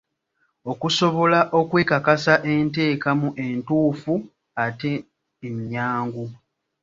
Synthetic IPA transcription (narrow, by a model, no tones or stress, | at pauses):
o̞kuso̞βo̞laʔo̞kwe̞ːkakasaʔe̞nte̞ːkamuʔe̞ntuːfu | ateː | miɲaːŋɡu